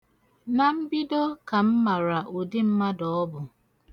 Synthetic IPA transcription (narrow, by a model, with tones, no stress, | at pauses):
na˨m̩˦bi˦do˦ka˨m̩˦ma˨ɾa˨ʔo˨dɪ˦m̩˦ma˦dɔ˨ɔ˦bʊ˨